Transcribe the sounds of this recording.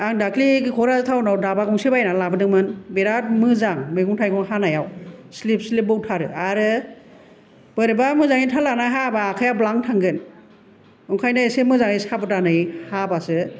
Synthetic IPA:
aŋdakliɡɯkʰɔɾasɯtʰawnawdabaɡɔŋsebajnalabɯdɯŋmɯnbeɾat̚mɯzaŋmɯjɡɔŋtʰajkɔŋhanajawslip̚slip̚bɔwtʰaɾɯ̰aɾɯ | b̥ɯɾɯbamɯzaŋitʰalanajɦabaːkʰajablaŋtʰaŋɡɯn | ɯŋkʰajnɯesemɯzaŋɯjsabɯtanɯjhabasɯ

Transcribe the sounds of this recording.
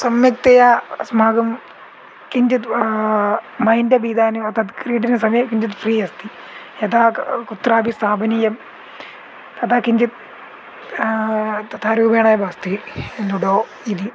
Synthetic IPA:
sɐmjɐk̚t̪ɐjasmaːɡɐm | kind͡ʑit̪ | mɐjndɐbiːd̪aːnɐɐt̪ɐt̪kɾiːʈinɐsɐmjɐkind͡ʑit̪friːɐst̪i | et̪aːkut̪raːbist̪ʰaːbʱɐnijɐm | t̪ɐt̪ʰaːkiɲd͡ʑit̪̚ | t̪ɐt̪ʰaːɾuːbʱeːɳaːjɐbʱaːst̪ienuɽoː | id̪i

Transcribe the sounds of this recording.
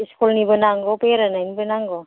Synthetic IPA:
iskulnibɯnaŋɡɔpeɾananibənaŋɡɔ

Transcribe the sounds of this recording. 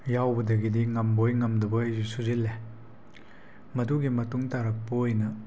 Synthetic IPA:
jawbɐdɐɡidiŋɐmbojŋɐmdɐbɐɐjzusuzilːe | mɐduɡimɐtuŋtaɾɐk̚pɐojnɐ

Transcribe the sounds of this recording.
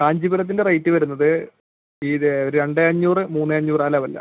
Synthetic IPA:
kaːɲd͡ʑibuɾɐt̪ːinde̞rɐjtːɨʋɐɾunːɐðɨ | iːɾɾe̞ɳɖɨɐɲːuːrɨmuːnːɨɐɲːuːraːlaːʋɐlːɐ̰

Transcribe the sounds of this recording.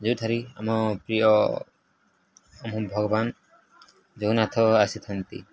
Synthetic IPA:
d͡ʒowt̪ʰaɾiamɔpɾiɔ | ɔmɔbʱɔɡɔban | d͡ʒownat̪ʰɔasit̪ʰant̪ḭ

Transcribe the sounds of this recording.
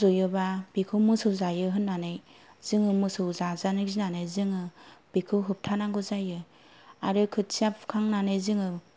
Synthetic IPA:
zɔjɯbab̥ikʰɯwmɯsɯwzajɯɦɯnːanɯjz̥ɯŋɯmɯsɯwzazanɯzinanɯjzɯŋɯb̥ikʰɯwɦɯp̚tʰanaɡɯzajɯ | aɾɯkʰɯt̚siapʰkʰaŋnanɯjzɯŋɯ

